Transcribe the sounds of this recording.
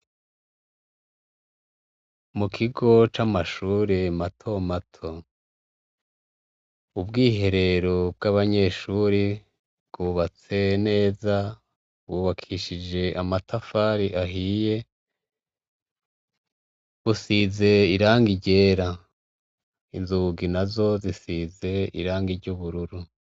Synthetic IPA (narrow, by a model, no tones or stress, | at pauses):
mukʰiɡo̞t͡ʃamaʃuːɾematʰo̞matʰo̞ | ubɡiːɦe̞ɾe̞ɾo̞b̚ɡaβaɲe̞ʃuɾi | bɡuːβat͡se̞ne̞ːza | buːβakʰiʃid͡ʒe̞ʔamatafaɾiʔaɦije̞ | βusize̞iɾaːŋɡiɟe̞ːɾa | inzuɡinazo̞zisize̞ḭɾaːŋɡiɾɟuβuɾuɾu